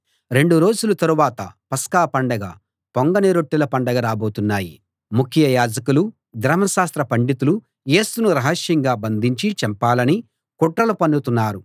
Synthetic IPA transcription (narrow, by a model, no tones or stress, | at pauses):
ɾe̞ɳɖuɾo̞ːd͡ʒulɐt̪ɐɾuʋaːt̪ɐ̰pɐskaːpɐɳɖɐɡɐ̰ | poŋɡɐneɾoʈːilɐpɐɳɖɐɡɐɾaːbo̞ːt̪unːaːji | mukʰjɐjaːd͡ʒɐkulu | d̪ɾɐmɐʃaːst̪ɾɐpɐɳɖit̪ulu | je̞ːsunuɾɐɦɐʃjɐŋɡaːbɐnd̪ʱiɲt͡ʃit͡ʃɛmpaːlɐni | kɔʈɾɐlupɐɳɖut̪unːaːɾu